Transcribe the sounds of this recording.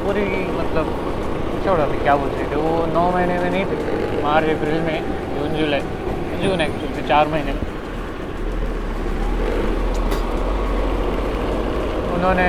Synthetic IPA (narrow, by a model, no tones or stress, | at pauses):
puɾi | mɐt̪ləb | t͡ʃʰoːɽabikjaːbuːt͡ʃʰɾit̪eʋonɔːmɐɦinemẽnɐɦĩt̪ʰimaːɾeːpɾiːlmẽ | uːnd͡ʒuːlet̪ | d͡ʒuːneːkpɾilmẽt͡ɕaːɾmɐɦinemẽ | ʊnɦõne